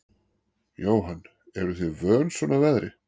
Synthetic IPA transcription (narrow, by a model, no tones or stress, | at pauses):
joːwɦanː | ɛɾʏθʏvœːnsvɔnavɛðɾɪ